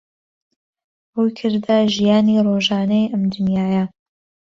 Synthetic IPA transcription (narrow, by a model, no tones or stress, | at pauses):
hujkʰɨɾd̪aʒijaːniroːʒɑːnɐjʔɐmd̪ʊnjaːjɐ